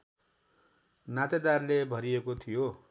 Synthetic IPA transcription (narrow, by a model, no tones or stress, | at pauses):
nat̪ed̪arlebʱʌɾiekot̪ʰijo